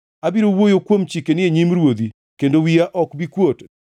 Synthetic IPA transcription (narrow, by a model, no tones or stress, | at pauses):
abiɾowojokwomt͡ʃikenɪeɲimɾwod̪i | kendowiaʔɔkbikwot